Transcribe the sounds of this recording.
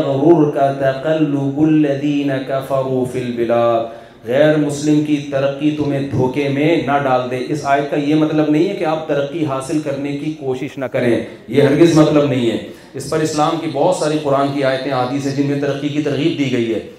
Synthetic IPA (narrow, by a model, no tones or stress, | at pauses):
ɣʊɾuːɾkat̪ɐqɐlːʊbʊlːɐðiːnɐkɐfɐɾuːfilbɪlaːd̪̚ | ɣɛːɾmʊslɪmkit̪ɐɾɐqːit̪ʊmẽd̪ʱoːkemẽnɐɖaːld̪eːʔɪsaːjət̪̚kajemɐt̪ləbnɐɦĩɦɛkeaːp̚t̪ɐɾəqːiɦaːsɪlkɐɾnekikoːʃɪʃnɐkɐɾẽː | jeɦɐ̃ŋɡɪzmɐt̪ləbnɐɦĩɦɛː | ɪspɐɾɪslaːmkibɔːt̪saːɾiqʊɾaːnkiaːjət̪ẽaːɦd̪iːsɦɛ̃d͡ʒɪnmẽt̪ɐɾəqːikit̪ɐɾɣiːb̚d̪iːɡɐiɦɛː